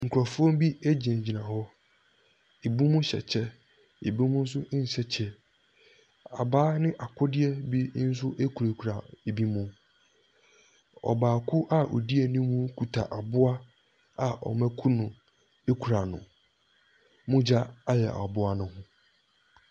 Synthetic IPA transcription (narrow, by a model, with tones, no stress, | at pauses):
ŋ̩˨kʰɾɔ˨fʊ˦ɔ̃˦m˦bi˦æ˦d͡ʑi˨nẽ˨d͡ʑi˨nã˨hɔ˦ | e˨bu˦mũ˦ɕɛ̰˨t͡ɕʰɛ˦ | e˨bu˦mũ˦n̩˦s̬ʊ˦n̩˨sɛ˦t͡ɕʰɛ˦ | a̰˨baː˦nɪ̃˦ʔa˨kʰʊ˦dɪ˦ɛ˦bi˦n̩˦s̬ʊ˦ʔe˦kʰu˨ɾe˨kʰu˨ɾa˨e˨bi˦mũ˦ | ɔ̰˨baː˨kʰʊ˦ʔa˦ʔo̰˨di˦e˨nĩ˦mũ˦kʰu˨tʰa˨ʔa˨bʊ˦a˦ | a˨ʔɔ̰˨mæ̃˦kʰu˦nʊ̃˨ | e˦kʰu˨ɾa˨nʊ̰̃˨ | mʊ̃˦d͡ʑa˦a˦jɛ˨ʔa̰˨bʊ˦a˦nʊ̃˦hʊ̃˦